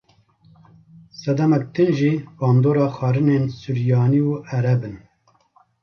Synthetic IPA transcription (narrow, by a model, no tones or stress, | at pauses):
sɛd̪ɛmɛk̚t̪ɨnʒiːbɑːnd̪oːɾɑːxɑːɾɨneːnsuɾjɑːniuːʔɛɾɛbɨn